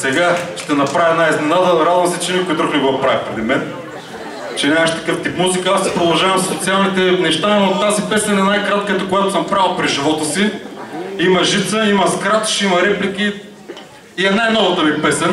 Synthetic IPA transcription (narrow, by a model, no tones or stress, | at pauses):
sɛɡaʃt̪ɛnɐpɾavɛnaiznɛnad̪əɾad̪vɐmsɛt͡ʃɛnʲikʊit̪ɾoxnɛɡot̪̚pɾavipɾɛd̪imɛn | t͡ʃɛnʲamɐʃt̪ɐ̥kɤft̪ipmuzikəasɛpɾod̪ɐlˠʒavɐmsot̪sialˠnit̪ɛnɛʃt̪aimt̪azipɛsɛnɛnajkɾat̪kət̪əkojat̪ʊ̥səmpɾavəlˠpɾiʒivɔt̪əsi | imɐʒit̪səimɐskɾat̪ʃimɐɾɛplikʲi | iɛnajnɔvət̪əmipɛsɛn